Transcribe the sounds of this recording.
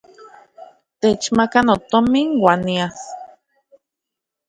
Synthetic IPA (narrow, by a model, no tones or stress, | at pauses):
t̪et͡ʃmakanot̪omiŋwanias